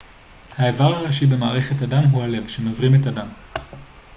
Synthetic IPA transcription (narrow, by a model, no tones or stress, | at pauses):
haevaʁhaʁaʃibe̞maːʁeχe̞tadamɦuhale̞vʃemazʁimetadam